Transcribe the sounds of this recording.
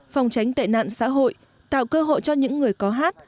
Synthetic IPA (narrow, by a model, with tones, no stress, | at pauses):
fa˨˩wŋ͡mt͡ɕa˨˦jŋt̪a̰ː˧˨jna̰ː˧˨nsa̰ː˧˥ɦo̰˧˨j | t̪a̰ː˧˨wkəː˧ɦo̰˧˨jt͡ɕɔ˧ɲɨ̰˧˥ŋːɨ˨˩əjkɔ˨˦ɦaː˦˥t̚